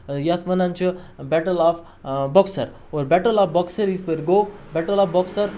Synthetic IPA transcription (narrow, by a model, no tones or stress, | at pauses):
jat̪ʰʋənãɲt͡ɕəbɛʈəlaf | bɔksə̰ɾ | oɾbɛʈəlafbɔksəɾispəɾɡobɛʈəlafbɔksəɾ